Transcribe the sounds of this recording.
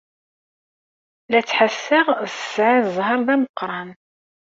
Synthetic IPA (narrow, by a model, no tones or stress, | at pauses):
læt͡sːħasːɪʁsə̥sʕazˤɦɑɾˤðæməqɾˤɑn